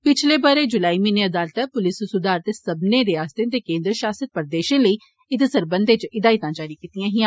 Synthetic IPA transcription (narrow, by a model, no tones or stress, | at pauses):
pɪt͡ʃʰleːbəɾeːd͡ʒʊlaːiːmĩːneːəd̪aːlt̪ɛpʊlɪssʊd̪aːɾt̪esəbneːɾeaːst̪ẽt̪eːkẽːnd̪ɾʃaːsət̪̚pəɾd̪eːʃẽːləiː | ɪt̪esəɾbənd̪et͡ʃɪd̪aːit̪ãːd͡ʒaːɾiːkiːt̪ijãːɦiã